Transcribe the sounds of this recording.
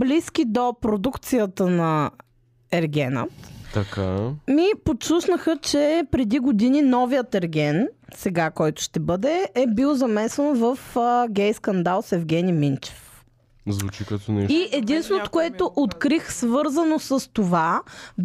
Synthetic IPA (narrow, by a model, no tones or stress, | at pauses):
bliskʲid̪opɾod̪ukt̪sijət̪ənɐ | ɛɾɡʲɛnə̰t̪t̪ɐkamiposusnəxət͡ʃɛpɾɛd̪iɡod̪ininɔvijət̪ɛɾɡʲɛnsɛɡakɔjt̪ʊ̥ʃt̪ɛbɤd̪ɛɛbilˠzɐmɛsɛnovəfɡʲɛjskɐnd̪alˠsɛvɡʲɛnimint͡ʃɛ̥f | zvut͡ʃikat̪onɛʃiʔɛd̪insvɛnot̪o̥koɛt̪oʔot̪kɾixsvɤɾzənosəst̪ova